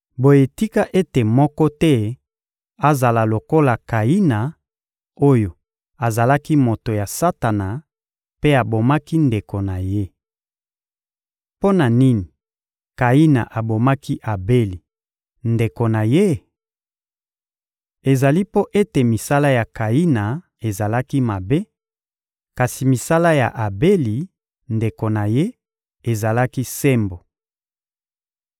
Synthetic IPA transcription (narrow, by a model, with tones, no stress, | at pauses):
bo˨je˨ti˦ka˦ʔe˦te˨mɔ˦kɔ˦tɛ˦ | a˦za˨la˨lo˨ko˦la˨ka˨i˦na˨ | o˦jo˨ | a˨za˨la˦ki˦mo˨to˨ja˨sa˦ta˨na˨ | pe˦a˨bo˨ma˦ki˦nde˨ko˨na˨je˦ | po˦na˨ni˦ni˨ | ka˨i˦na̰˨ʔa˨bo˨ma˦ki˦ʔa˨be˦li˨ | nde˨ko˨na˨je˦ | e˨za˨li˦po˦ʔe˦te˨mi˨sa˦la˦ja˨ka˨i˦na˨ | e˨za˨la˦ki˦ma˨be˦ | ka˨si˨mi˨sa˦la˦ja̰˨ʔa˨be˦li˨ | nde˨ko˨na˨je˦ | e˨za˨la˦ki˦se˦mbo˨